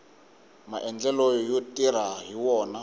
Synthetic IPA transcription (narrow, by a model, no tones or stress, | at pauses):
maʔɛnd͡ɮɛlɔjɔjotʼiɾaɦiwɔːna